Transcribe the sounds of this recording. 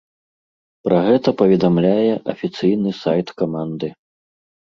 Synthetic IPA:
pɾɐɣɛt̪ɐpɐvʲɛd̪amlʲajɛʔɐfʲit̪sɨjnɨsajt̪kamand̪ɨ

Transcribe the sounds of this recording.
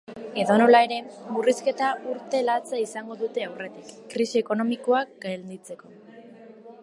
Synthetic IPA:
e̞ðo̞no̞lae̞ɾe̞muriske̞t̪auɾt̪e̞lat͡saisaŋɡo̞ðut̪e̞awre̞t̪ikːɾisieko̞no̞miko̞akɡald̪it͡se̞ko̞

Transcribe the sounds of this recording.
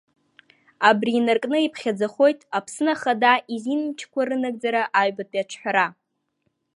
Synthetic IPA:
abriːnarkʼnɨipʰχʲad͡zaχo̞jtʼapʰsɨnaχadaʔizinmt͡ʃʰkʷaɾɨnaɡ̚d͡zaɾaʔaɥbatʼiaʈ͡ʂʰħʷᶣaɾa

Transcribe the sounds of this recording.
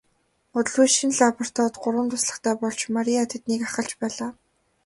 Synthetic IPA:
ʊt̪̆ɮujʃĭnɮapʰɔr̥t̪ʰɔːt̪ɢʊɾwə̆nt̪ʰʊsɮə̆χt̪ʰæːpɔɮt͡ɕmaɾʲiat̪ʰet̪niːkaχə̆ɬt͡ɕpæːɮaː

